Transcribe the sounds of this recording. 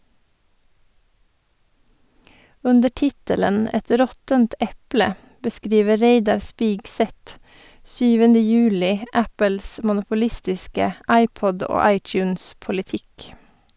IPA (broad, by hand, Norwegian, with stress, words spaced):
ˈʉndə ˈʈɪtələn ˈɛt ˈɾɔtənt ˈɛplə bəˈskɾiːʋə ˈɾeɪdɑɾ ˈspiːɡˌsɛt ˈsyːʋəndə ˈjʉːlɪ ə ˈæpəls mʊnʊpʊˈlɪstɪskə ˈɑɪˌpɔd ˈoː ˈɑɪˌt͡ʃʉːnspʊlɪˌtɪk